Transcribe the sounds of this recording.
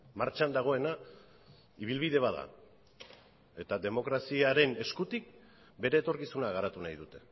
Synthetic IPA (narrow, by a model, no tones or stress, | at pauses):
maɾt͡ʃand̪aɣ̞o̞e̞na | iβ̞ilβiðe̞βaða̰ | e̞t̪ad̪e̞mo̞kɾasiaɾe̞ne̞skut̪ik̚ | be̞ɾe̞ːt̪o̞ɾkisunaɣaɾat̪unajðut̪e̞̥